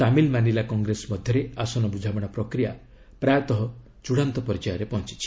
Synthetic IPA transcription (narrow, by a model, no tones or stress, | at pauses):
amilmanilakɔŋɡɾesmɔd̪ʱjɔɾeasɔnɔbud͡ʒʱabɔɽ̃ɔpɾɔkɾija | pɾajɔt̪ɔɦɔ | t͡ʃuɽant̪ɔpɔɾid͡ʒajɔɾepɔɦnt͡ʃi̥t͡ʃʰi̥